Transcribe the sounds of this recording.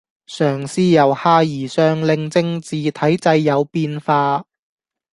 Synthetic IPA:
sœː˨˩ŋsiː˥jɐ˨˩whaː˧jiː˨˩sœː˧ŋlɪ˧ŋt͡sɪ˧ŋt͡siː˨t̪ʰɐ˨˥jt͡sɐ˧jːɐ˨˧wpiː˧nfaː˧

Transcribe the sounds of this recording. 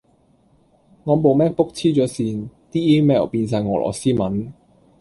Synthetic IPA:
ŋɔː˨˧mo˨wmɛː˥k̚pʊ˥k̚t͡sʰiː˥t͡sɔː˨˥siː˧nt̪iː˥iː˥mɛː˥˩wpiː˧nsaː˨nŋɔː˨˩lʔɔ̰ː˨˩siː˥mɐ˨˥n

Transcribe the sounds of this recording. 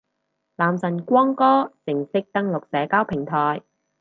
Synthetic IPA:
laː˨msɐ˨˩nkʷɔː˥ŋkɔː˥sɪ˨˩ŋsɪ˥k̚t̪ɐ˥ŋlʊ˨k̚sɛː˨˥kaː˥wpʰɪ˨˩ŋt̪ʰɔː˨˩j

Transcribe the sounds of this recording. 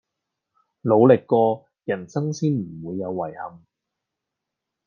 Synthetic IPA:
lo˨˧wlɪ˨kːɔː˧ | jɐ˨˩nsɐ˥ŋsiː˥nm̩˨˩wuː˨˧jːɐ˨˧wːɐ˨˩jhɐ˨m

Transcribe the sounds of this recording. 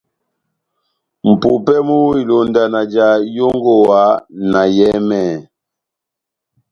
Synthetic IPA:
m̩˨pu˨pɛ˦mu˦i˨lo˨nda˨na˨d͡ʒa˨˦jo˦ŋɡo˦˨wa˨˦na˨jɛ˦mɛ˦˨

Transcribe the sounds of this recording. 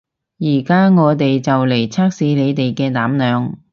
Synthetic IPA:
jiː˨˩kaː˥ŋɔː˨˧t̪e˨jt͡sɐ˨wle˨˩jt͡sʰaː˥k̚siː˨˥ne˨˧jt̪e˨jkɛː˧t̪aː˨˥mnœː˨˧ŋ

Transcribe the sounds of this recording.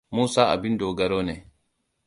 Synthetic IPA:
muː˦sa˦a̰˨bi˦ndɔː˨ɡa˨ɾɔː˦nɛ˨

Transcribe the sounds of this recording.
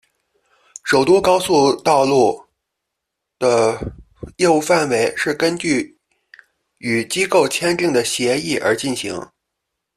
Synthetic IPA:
ʂo˨˩ʊt̪u˥kɑ˥ʊsu˥˧t̪ɑ˥˧ʊlu˥˩ | d̪̥ə˨˩ | jɛ˥˧u˥˧fa˥˩nwe˧˥ɪʂɻ̩˥˩kə˥nt͡ɕy˥˩ | y˨˩t͡ɕi˥ko˥˩ʊt͡ɕʰjɛ˥nt̪i˥˩ŋd̪ə˩ɕjɛ˧˥i˥˩ʔə̰˞˧˥t͡ɕi˥˩nɕḭ˧˥ŋ

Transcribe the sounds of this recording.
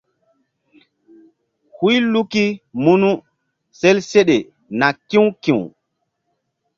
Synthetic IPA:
hu˦jlu˦ki˦mu˦nu˦ | se˦lse˦ɗe˨ | na˨kĩ˦wkĩ˨w

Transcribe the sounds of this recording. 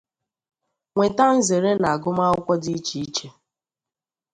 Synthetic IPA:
ŋʷe˨ta˦n̩˦ze˨ɾe˦na˨a˨ɡʊ˦ma˦ʊ˦kʷɔ˦di˦i˦t͡ʃi˨i˦t͡ʃe˦

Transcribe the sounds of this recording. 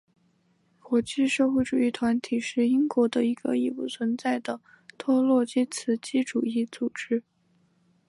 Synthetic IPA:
kwɔ˧˥t͡ɕi˥˧ʂɤ˥˧xwe˥˩ɪʈ͡ʂu˨˩i˥˩t̪ʰwa˧˥nt̪ʰi˨˩ʂɻ̩˥˩i˥ŋkwɔ˧˥d̪ə˧i˧˥ɡə˧i˥˩pṵ˨˥˩t͡sʰwə˧˥nt͡sa˥˩ɪd̪ə˩ | t̪ʰwɔ˥lwɔ˥˧t͡ɕi˥t͡sʰɹ̩˧˥t͡ɕi˥ʈ͡ʂu˨˩i˥˩t͡su˨˩ʈ͡ʂɻ̩˥

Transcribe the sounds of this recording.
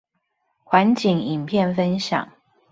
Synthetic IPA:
xwa˧˦nt͡ɕi˨ŋi˨˩mpʰjɛ˥˨nfə˦nɕjɑ̰˨˩˦ŋ

